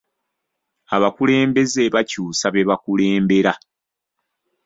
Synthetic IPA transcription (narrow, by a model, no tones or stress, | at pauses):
aβakule̞ːmbe̞ze̞βacuːsaβe̞βakule̞ːmbe̞ɾa